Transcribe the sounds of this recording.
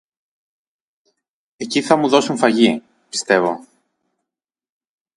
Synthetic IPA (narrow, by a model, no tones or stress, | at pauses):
e̞ciθɐmuðo̞suɱfɐʝi | pi̥st̪e̞vo̞